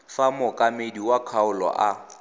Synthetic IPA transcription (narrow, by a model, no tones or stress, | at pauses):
famʊkʼamediwakʰaʊlɔ̰ʔa